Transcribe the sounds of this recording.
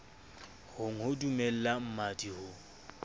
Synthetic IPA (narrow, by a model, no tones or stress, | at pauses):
hʊŋ̩hʊdumɛl̩lam̩madihʊ